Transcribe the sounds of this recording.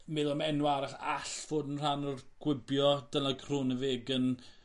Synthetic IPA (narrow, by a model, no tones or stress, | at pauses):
mɪðˠɔmɛnuaɾaɬaɬv̥oːdənr̥anɔrɡ̥wɪbjɔd̥ənaɡʰrʊnəveːɡən